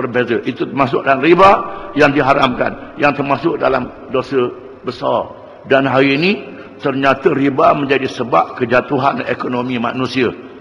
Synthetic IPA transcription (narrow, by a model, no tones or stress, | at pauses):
bərbezəʔit̪ut̪ərmasʊk̚dalamribajaŋdiɦaɾa̰mka̰njaŋt̪ərmasʊk̚da̰lam | dosə | bəsa̰r | danɦaɾini | t̪ərɲat̪əɾibamə̃ɲd͡ʒadisəbap̚kəd͡ʒat̪uɦanekonomima̰nũsiə